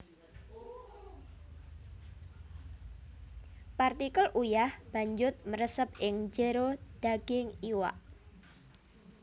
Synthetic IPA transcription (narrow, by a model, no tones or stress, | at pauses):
part̪ikəlʔujahb̥a̤ɲd͡ʒʊt̪̚məɾəsəp̚ɪŋd͡ʒəɾod̪̥aɡ̥ɪŋiwa̰ʔ